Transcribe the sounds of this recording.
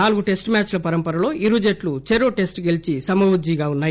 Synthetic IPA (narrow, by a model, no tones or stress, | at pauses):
naːluɡuʈe̞sʈmaːt͡ʃlɐpɐɾɐmpɐɾɐlo̞ːʔiɾud͡ʒeʈlut͡ʃeɾoːʈe̞sʈɡelit͡ʃisɐmɐʋud͡ʒiːɡaːunːaːji